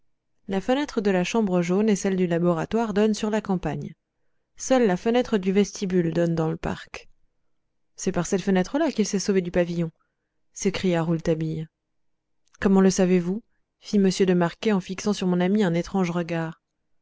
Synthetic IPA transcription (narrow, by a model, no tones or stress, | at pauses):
lafənɛt̪χəd̪əlaʃɑ̃bʁəʒonesɛld̪ylabɔʁat̪waʁd̪ɔnsyʁlakɑ̃paɲ | sœlːafənɛt̪χəd̪yvɛst̪ʰibyld̪ɔnd̪ɑ̃ləpa̰ʁk | sɛpaʁsɛt̪fənɛt̪χəlakilsɛsoved̪ypavijɔ̃ | sekχijaʁult̪abij | kɔmɑ̃ləsavevu | fiməsjød̪əmaʁkʲeɑ̃fiksɑ̃syʁmɔ̃namiɛ̃net̪χɑ̃ʒʁəɡaːʁ